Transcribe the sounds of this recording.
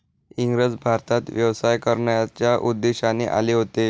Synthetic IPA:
iŋɡɾəd͡zbʱaɾt̪at̪ʋjəʋsajkəɾɳjat͡ɕjaʔud̪ːeɕaniːʔa̰leɦot̪e

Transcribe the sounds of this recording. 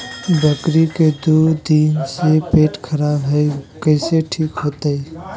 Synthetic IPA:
bəkɾiked̪uːd̪iːnsepeːʈkʰəɾaːbɦɛkɛːseʈʰiːkɦoːt̪aɦɛ

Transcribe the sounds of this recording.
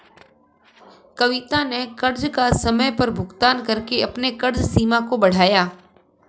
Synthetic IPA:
kɐʋɪt̪anekɐɾd͡ʒkasɐməjpɐɾbʱʊɡt̪aːnkɐɾkeɐpnekɐɾd͡ʒsiːmãkobɐɽ̤aːjaː

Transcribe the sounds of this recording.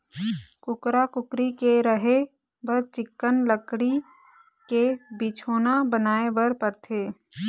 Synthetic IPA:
kʊkɾakʊkɾikeɾəɦe | bəɾt͡ʃɪkːənləkɽi | kebit͡ʃʰoːnabənaːebəɾpəɾt̪ʰeː

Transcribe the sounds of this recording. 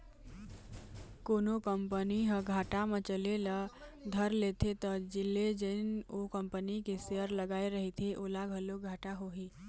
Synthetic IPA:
koːnokəmpəniɦə̃ɡʱaʈamet͡ʃəleləd̪ʱəɾlet̪ʰet̪ɔd͡ʒilːed͡ʒənokəmpənikeseəɾləɡaeɾəɦit̪ʰiʔolaɡʱəloɡʱaʈaɦoɦi

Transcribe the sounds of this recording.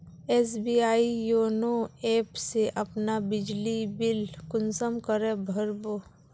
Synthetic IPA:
eːs̬biːaːijoːnoeːpseʔɐpnabɪd͡ʒlibɪlkʊnsəmkəɾẽbʱəɾboː

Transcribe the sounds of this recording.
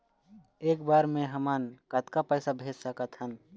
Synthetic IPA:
eːkbaːɾmẽɦəmənkət̪kapəɪsabʱeːd͡ʒsəkət̪ɦən

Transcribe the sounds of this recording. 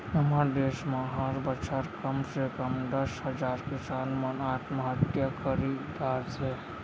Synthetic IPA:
ɦəmaɾd̪eːsmãɦaɾbət͡ʃʰaɾkəmsekəmd̪əsɦəd͡ʒaːɾkɪsaːnmənaːt̪ʰməɦət̪jakʰəɾid̪aːɾd͡ʒe

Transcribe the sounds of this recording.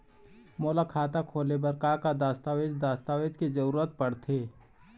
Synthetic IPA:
moːlakʰaːt̪akʰoːlebəɾkaːkad̪aːst̪aːʋeːd͡ʒd̪aːst̪aːʋeːd͡ʒked͡ʒəɾuːɾət̪̚pəɽt̪ʰeː

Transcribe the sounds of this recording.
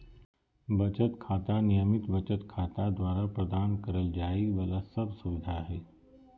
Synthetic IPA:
bʱət͡ʃət̪kʰaːt̪anijəmit̪bət͡ʃət̪kʰaːt̪ad̪ʋaːɾapɾəd̪aːnkəɾəld͡ʒaːibəlasəbsuʋid̪ʱaɦe

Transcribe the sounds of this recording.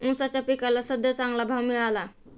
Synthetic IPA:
ũsat͡ʃəpikəlasəd̪ət͡saŋɡlabʱamiala

